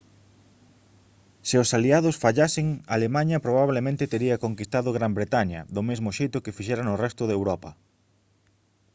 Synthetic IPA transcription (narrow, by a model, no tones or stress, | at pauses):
seʊsaliaðʊsfaʎasɪŋalemaɲɐpɾoβ̞aβlemẽnt̪ɪt̪eɾiɐkoŋkist̪aðʊɣɾambɾet̪aɲɐ̰ðʊmezmʊʃejt̪ʊkɪfiʃɛɾɐnʊrɛst̪ʊðewɾɔpɐ